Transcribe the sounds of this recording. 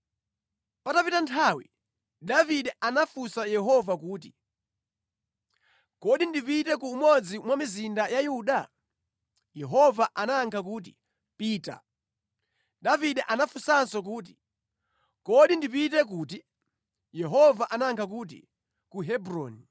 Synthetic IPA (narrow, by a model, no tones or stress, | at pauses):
patapitantʰawḭ | daviɗɛʔanafusajɛɦɔvakuːt̬i̥ | kɔɗindipitɛkuːmɔd͡zimwamizindajajuɗa | jɛɦɔvaʔanaŋkʰak̬uːt̬ḭ | piːta̰ | daviɗɛʔanafusansɔk̬uːt̬i̥ | kɔɗindipitɛk̬uːti | jɛɦɔvaʔanaŋkʰak̬uːt̬ḭ | kuɦɛbɾɔ̰ːni